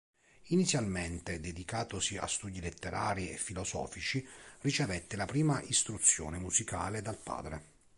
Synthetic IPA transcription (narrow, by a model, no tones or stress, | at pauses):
init̪sːjalment̪ed̪ed̪ikaːt̪osia̰st̪uːd̪ilet̪ːeɾa̰ːɾiefːilɔzɔ̰ːfit͡ʃirit͡ʃevɛt̪ːelapɾiːmaʔist̪ɾut̪sːjo̰ːnemuzikaːled̪alpa̰ːd̪ɾe